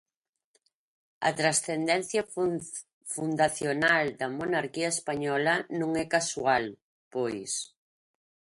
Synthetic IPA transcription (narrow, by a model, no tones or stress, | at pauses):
ɐ̰t̪ɾasθend̪ɛn̟θjɐ | fund̪aθjonald̪ɐmonaɾkiɐespaɲɔlɐnõŋɛkasual | pojs